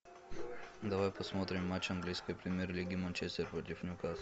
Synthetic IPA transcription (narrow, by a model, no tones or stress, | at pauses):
d̪avajposmɔt̪ɾɛmːat͡ʃaŋɡlʲiskojpɾimʲɛɾlʲiɡʲimɐnt͡ʃɛst̪ɛɾpɾot̪ʲifnʲukas